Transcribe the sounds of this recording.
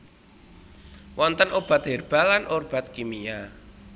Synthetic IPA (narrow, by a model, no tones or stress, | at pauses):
wɔnt̪ənob̥a̤t̪̚ɦerb̥alanʔorb̥at̪̚kimija